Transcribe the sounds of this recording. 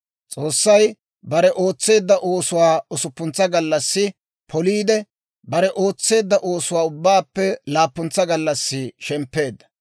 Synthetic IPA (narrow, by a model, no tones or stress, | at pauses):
t͡sʼo̞ːsːɐj | bɐɾɛʔo̞ːt͡sːe̞ːd̪ːɐʔo̞ːsʊwaːɔsʊpːʊnt͡sːɐɡɐlːɐsːɪ | pʰɔliːd̪ɛ | bɐɾɛʔoːt͡sːe̞ːd̪ːɐʔo̞ːsʊwaːʊbːaːpːɛlaːpːʊnt͡sːɐɡɐlːɐsːɪʃɛmpːe̞ːd̪ːɐ̥